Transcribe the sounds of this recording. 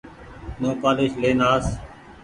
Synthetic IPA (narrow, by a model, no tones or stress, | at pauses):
nõːpaːleːʃleːnaːs